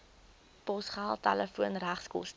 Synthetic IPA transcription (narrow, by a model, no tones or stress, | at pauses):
pɔsχaːlˠtaləfuənræχskṵlˠs